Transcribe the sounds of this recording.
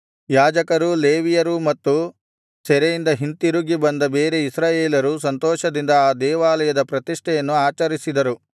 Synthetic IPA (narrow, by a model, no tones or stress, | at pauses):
jaːd͡ʒɐkɐɾuleːʋijɐɾumɐt̪ːu | sɛɾejind̪ɐɦint̪iɾuɡibɐnd̪ɐbeːɾeisɾaːjeːlɐɾus̬ɐnt̪ɔːʃɐd̪ind̪ɐaːd̪ɛːʋaːlɐjɐd̪ɐpɾɐt̪iʂʈʰɛjɐnːuaːt͡ʃɐɾisid̪ɐɾu